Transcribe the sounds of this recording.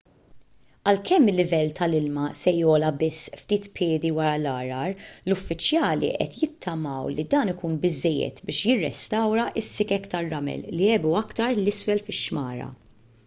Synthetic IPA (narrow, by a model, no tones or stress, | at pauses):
ɐlkʰɛmːɪlːɪvɛlːt̪ɐlɪlmɐsɛjɔːlɐbɪsːft̪iːt̪pʰɪːd̪iwɐɾɐlɐːɾɐɾlʊfːɪt͡ʃjɐːlḭʔɛ̰t̪jɪt̪ʰːɐmɐwlid̪ɐːnɪkuːnbɪzːɛjːɛ̰t̪bɪːʃjɪrːɛ̰st̪ɐwɾɐʔɪsːɪkɛkt̪ɐɾːɐmɛ̰lːiɛbuɐkt̪ɐɾlɪsfɛlfɪʃːmɐːɾɐ̰